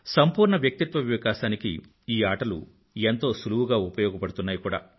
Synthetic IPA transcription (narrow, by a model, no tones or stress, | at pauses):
sɐmpuːɾɳɐʋjɐk̚t̪it̪ʋɐʋiʋkaːʃaːnikḭ | iːaːʈɐlṵ | ent̪o̞ːsuluwuɡaːupɐjɔːɡɐpɐɽut̪unːaːjikuːɽa̰ː